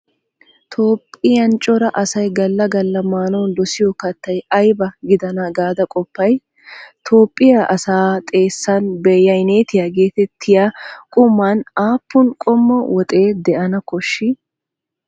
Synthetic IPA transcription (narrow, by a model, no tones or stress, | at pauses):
t̪ʰo̞ːpʼːɪjɐnt͡ʃʼːɔɾɐʔɐsɐjɡɐlːɐɡɐlːɐmaːnɔwnd̪ɔsɪjɔkɐt̪ːɐjɐjbɐɡɪd̪ɐnaɡaːd̪ɐkʼɔpːɐj | t̪ʰo̞ːpʼːɪjaʔɐsaːt̪ʼe̞ːsːanbɛjːɐjne̞ːt̪ɪjaːɡe̞ːt̪ɛt̪ʰːɪjaːkʼʊmːaːnaːpːʊnkʼɔmːɔwɔt̪ʼe̞ːd̪ɛʔɐnɐkɔʃːɪ